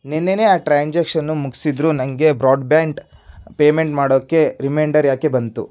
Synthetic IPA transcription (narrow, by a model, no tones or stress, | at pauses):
nenːene̞aːʈɾaːɲd͡ʒekʂɐnːumuɡsid̪ɾunɐŋɡe̞bɾaːɖbaːɳʈpeːme̞ɳʈmaːɽoːkːe̞ɾimeːɳɖɐɾjaːkebɐnt̪ṵ